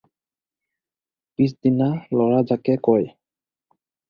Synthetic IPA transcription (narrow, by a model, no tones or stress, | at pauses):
pisd̪inalɔɹad͡ʑakekɔj